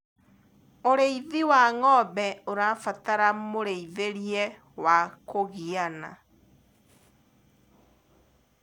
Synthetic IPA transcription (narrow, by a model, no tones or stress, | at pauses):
oɾeiðiwaŋɔβɛoɾafataɾamoɾeiðeɾiɛ | wakoɣiana̰